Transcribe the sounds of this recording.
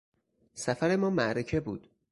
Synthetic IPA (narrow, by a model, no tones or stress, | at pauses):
sæfæɾe̞mɒːmæʔɾecʰe̞buːd̪̥